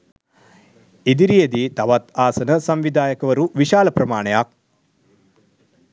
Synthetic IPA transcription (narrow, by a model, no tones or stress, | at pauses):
id̪iɾijɐd̪it̪ɐʋɐt̪aːsɐnɐsɐmʋid̪ʱaːjɐkɐʋɐɾuʋiʃaːlɐpɾɐmaːɳɐjaːk̚